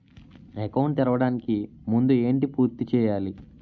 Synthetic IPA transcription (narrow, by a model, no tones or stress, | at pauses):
ekɐwɳʈ̪iɾɐʋɐɽaːniki | mund̪ue̞ːɳʈipuːɾt̪it͡ʃɛːjaːli